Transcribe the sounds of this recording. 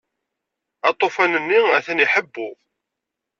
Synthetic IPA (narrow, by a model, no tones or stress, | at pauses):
ɑt̪ˤːofænənːiæθæniħəbːʊʁ